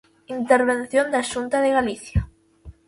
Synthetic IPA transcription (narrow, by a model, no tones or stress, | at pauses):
int̪eɾβ̞enθjond̪aʃunt̪aðeɣaliθja